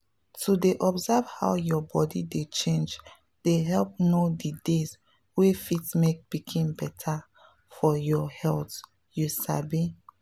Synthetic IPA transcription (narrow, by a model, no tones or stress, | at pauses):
tʰudeʔɔbzav̥ha̰wjɔbɔdidet͡ʃẽnd͡ʒ | d̥eɦɛlp̚nodidez | wefitmek̚b̥ikʰĩmbɛtʰa | fɔjɔhɛlt | jusa̰bi